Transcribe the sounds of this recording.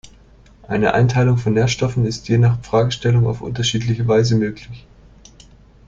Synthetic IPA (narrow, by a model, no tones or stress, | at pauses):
ʔaɪnəʔa̰ɪntʰaɪlʊŋfɔnːeːɐʃtɔfn̩ɪstjeːnaːχfʁ̥aːɡəʃtɛlʊŋa̰ʊfʔʊ̰ntɐʃiːtlɪçəvaɪzəmøːklɪç